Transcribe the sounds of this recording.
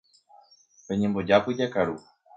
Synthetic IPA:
pe̞ɲẽmbo̞d͡ʒapɨd͡ʒakaɾu

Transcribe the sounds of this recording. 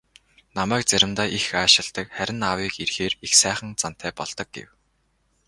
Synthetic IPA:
namæːk̚t͡sæɾʲɪ̆mt̪aːʔixaːʃɪ̆ɮt̪ə̆kχæɾʲɪ̆nawiːkirxeːrixsæːχə̆nt͡san̥t̪ʰæːpɔɮt̪ɞ̆k̚ɡḛw

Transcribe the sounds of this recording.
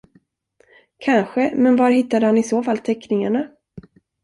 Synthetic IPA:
kʰanɧəmɛnvaɾɦɪt̪ːad̪əhanɪsoːfalt̪ʰɛkːnɪŋaɳa

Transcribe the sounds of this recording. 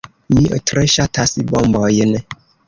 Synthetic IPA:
mĩʔɔ̰tʰɾɛʃatʰasibɔm̩bɔjɛnɛ̃

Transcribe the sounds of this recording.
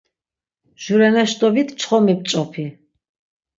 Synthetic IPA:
ʒ̥uɾɛnɛʃt̪ʼɔbit̪ʰt͡ʃʰʼχɔmɛp̚t͡ʃʼɔpʰi

